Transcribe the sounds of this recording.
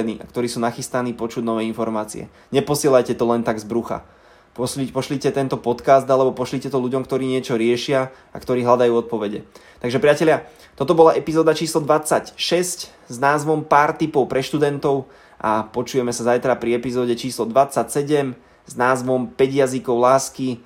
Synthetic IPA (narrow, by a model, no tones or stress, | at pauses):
nḭːʔakt̪ɔɾiːsuːnaxist̪aniːpɔt͡ʃuɟnɔʋɛːinfɔɾmaːt͡sḭɛ̰ | ɲɛpɔsɪɛlajcɛt̪ɔlɛnt̪aɡzbɾuxa̰ | pɔipɔʃlicɛt̪ɛnt̪ɔpɔt̪kaːzd̪alɛbɔpɔʃlicɛt̪ɔluɟɔmkt̪ɔɾiːɲɪɛt͡ʃɔɾɪɛʃɪa | a̰kt̪ɔɾiːɦlad̪ajuːɔt̪̚pɔʋɛɟɛt̪aɡʒɛpɾɪacɛlɪa | t̪ɔt̪ɔbɔlaʔɛpizɔːd̪at͡ʃiːslɔd̪ʋat͡sːacʃɛsc | znaːzʋɔmpaːɾt̪ipɔʊpɾɛʃt̪ud̪ɛnt̪ɔʊ | ʔapɔt͡ʃujɛmɛsazajt̪ɾapɾiɛpizɔːɟɛt͡ʃiːslɔd̪ʋat͡sacsɛɟɛm | znaːzʋɔmpɛɟjazikɔʊlaːski